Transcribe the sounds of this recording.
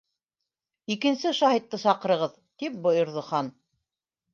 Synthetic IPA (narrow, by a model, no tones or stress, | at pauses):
ikɘ̆nsɘʃɑhit̪ːɤsɑqɤ̆ɾɤ̆ʁɤð | t̪ip̚bŏjŏɾðŏχɑn